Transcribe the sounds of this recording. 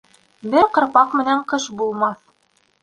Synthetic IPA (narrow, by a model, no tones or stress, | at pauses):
bɘɾqɤ̆ɾpɑqmɘ̆næɴqɤʃbulˠmɑθ